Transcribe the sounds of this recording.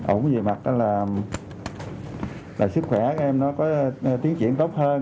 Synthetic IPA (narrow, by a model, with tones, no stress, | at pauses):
ʔo̰˧˩˦wŋ͡mze˨˩ma˨˩t̚ʔaː˨˦laː˨˩ | laː˨˩sɨ˦˥k̚xwɛ˧˩˧ɛ˧mnɔ˨˦kɔ˨˦˧t̪i˨˦əŋt͡ɕwḭ˧˨ənt̪o˦˥wk͡p̚həː˧